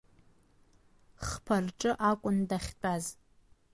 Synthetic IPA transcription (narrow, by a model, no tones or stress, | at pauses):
χpʰarʈ͡ʂʼɨʔakʷʼʊndaχʲt͡pʼaz